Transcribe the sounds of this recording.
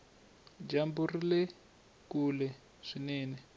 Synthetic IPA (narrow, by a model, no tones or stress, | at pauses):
d͡ʒamburilɛ | kulɛ | ʂinɛːnɛ